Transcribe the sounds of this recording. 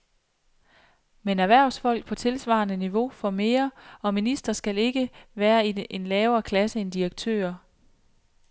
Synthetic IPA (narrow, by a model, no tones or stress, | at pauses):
menæʋæɐ̰ʊsfɒ̽l̰ɡ̥̚pʰɒ̽t͡sʰe̝lsʋɑ̰̈nəniʋo̝fɒ̽me̝ːɐɒ̽minisd̥ɐsɡ̥æle̝ɡ̥əʋæːɐiʔenlɛːʊɐːkʰlæsəe̝nd̥iʁɐɡ̥̚t͡sʰø̰ːɐ